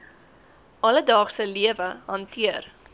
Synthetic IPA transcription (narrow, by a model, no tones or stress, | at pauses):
ʔɐlədɑːχsəliəvəɦɐntʰiər